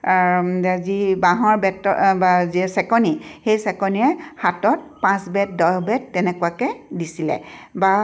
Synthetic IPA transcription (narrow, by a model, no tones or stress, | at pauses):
azibaɦɔɹbɛtɔbazisɛkɔnixejsɛkɔniɛhatɔt̚pãsbɛt̚dɔjɔbɛtːɛnɛkuwakɛdisilɛ̰ba